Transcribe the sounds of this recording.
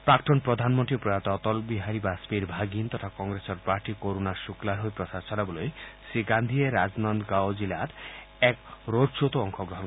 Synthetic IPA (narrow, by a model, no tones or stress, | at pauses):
pɾakʈɔnpɾɔd̪ʱanmɔnʈ̪ɾipɾɔjat̪ɔt̪ɔlbiɦaɾibasbiɾbʱaɡint̪ɔt̪ʰakɔŋɡɾesɔɾpaɾʈikoɾunaɾʃuklaɾɦojpɾɔsasɔnabolojsiɡand̪ʱieɾad͡ʒnɔnd̪ɡawd͡ʒilat̪ | ɛkɾodsot̪oɔŋkʰɔɡɾɔɦɔn